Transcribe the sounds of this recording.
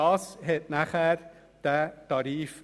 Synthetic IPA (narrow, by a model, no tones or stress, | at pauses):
ɑsheːt̪̚næχæɾ | d̪̥ɛt̪ɑɾiːf